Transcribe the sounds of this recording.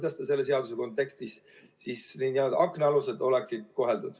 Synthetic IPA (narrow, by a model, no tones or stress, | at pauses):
d̪ɑst̪ɑse̞lːes̬e̞ɑd̪use̞ko̞nt̪ːˑe̞kst̪is | siːsninæold̪ɑ̰ʔɑkneɑluse̞d̪o̞leksid̪̥ko̞ɦeld̪ud̪̥